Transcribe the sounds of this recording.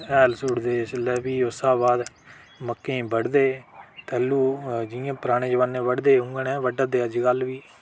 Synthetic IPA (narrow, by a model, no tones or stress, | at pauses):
ɛːlsuːɽd̪eːslɛːbiːʊsaːbaːd̪ | məkːẽbəɽd̪eːt̪ɛːluːd͡ʒɪjãːpɾaːɽ̃ẽːd͡ʒəʋaːnẽːʋəɽd̪eːɦʊ̃ŋɡɳɛ̃ːʋəɖad̪eːəd͡ʒɡəlʋiː